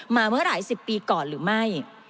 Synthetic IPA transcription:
maː˧mɯ˥˩ɐɾaː˩˦jsi˨˩pːiː˧kɔː˨˩nɾɯː˩˦ma˥˩j

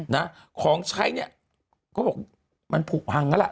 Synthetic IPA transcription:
na˦˥ | kʰɔː˩˦ŋt͡ɕʰa˧˥jni˦˥˩ | kɔː˧˥˩bɔː˨˩k̚ | ma˧npʰuː˨˩k̚ha˧ŋːa˧˦˥lɛ˨˩

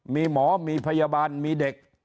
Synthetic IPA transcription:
miː˧mɔː˩˦miː˧pʰa˧jaː˧baː˧nmiː˧de˨˩k̚

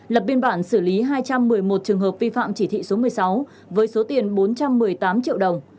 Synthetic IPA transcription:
lə˨˩p̚ɓi˧ənɓaː˧˩nsɨ˧˩li˨˦ɦaː˧jt͡ɕa˧mːɨ˨˩əjmo˨˩t̚t͡ɕɨ˨˩əŋɦəː˨˩p̚vi˧fa̰ː˧˨mt͡ɕi˧˩t̪ʰḭ˧˨so˨˦mɨ˨˩əjsa˨˦w | vəː˨˦jso˨˦t̪i˨˩ənɓo˨˦nt͡ɕa˧mːɨ˨˩əjt̪aː˨˦mt͡ɕḭ˧˨əwɗə˨˩wŋ͡m

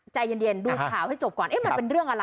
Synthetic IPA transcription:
t͡ɕa˧ji˧ndi˧˩ənduː˧kʰaː˩˦wha˥˩jt͡ɕo˨˩p̚kɔː˨˩nʔeː˦˥ma˧npe˧nɾɯ˥˩əŋʔaː˧la˧

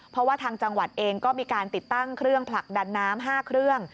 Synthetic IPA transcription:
pʰɾɔ˦waː˥˩t̪ʰaː˧ŋt͡ɕa˧ŋwa˨˩t̪̚ʔeː˧ŋkɔː˥˩miː˧kaː˧nt̪i˨˩t̪ːa˥˩ŋkʰɾɯ˥˩əŋpʰla˨˩k̚da˧nːaː˦˥mɦaː˥˩kʰɾɯ˥˩əŋ

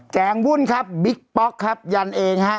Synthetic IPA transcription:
kɛː˩˦ŋbu˥˩nkʰa˦˥p̚bi˦˥k̚pɔ˦˥kʰːa˦˥p̚ja˧nʔeː˧ŋha˦˥ʔ

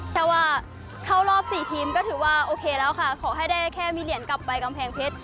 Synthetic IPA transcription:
p̪ʰɛː˦˥waː˥˩ | kʰa˥˩wlɔː˥˩p̚siː˨˩t̪ʰiː˧mkɔː˥˩ɯː˨˩˦waː˥˩ʔoː˧kʰeː˧lɛː˦˥wkʰa˥˩kʰɔː˩˦ɦa˥˩jdaː˥˩jkʰɛː˥˩miː˧li˨˩˦ənka˨˩pːa˧jka˧mpʰɛː˧ŋpʰe˦˥t̪̚

